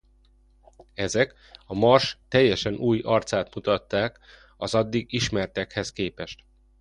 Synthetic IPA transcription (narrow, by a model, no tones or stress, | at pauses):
ɛzɛk | ɒmɒrʃt̪ɛjːɛʃɛnuːjɒrt̪saːt̪mut̪ɒt̪ːaːk | ɒzɒd̪ːiɡiʃmɛrt̪ɛkhɛskeːpɛʃt̪